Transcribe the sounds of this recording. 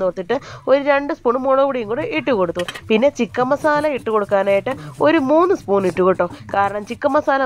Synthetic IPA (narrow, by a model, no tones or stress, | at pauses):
noːrt̪ːiʈːɨo̞ɾuɾeɳɖɨspuːɳɨmoɻoʋuɽijuŋɡuːɽɨʔiʈːuko̞ɽut̪ːupinːe̞t͡ɕikːɐmːɐsaːlɐiʈːɨko̞ɽukːaːnaːjiʈːɨo̞ɾumuːnːɨspuːniʈːukoʈːoːkaːɾɐɳɐmt͡ɕikːɐmːɐsaːlɐ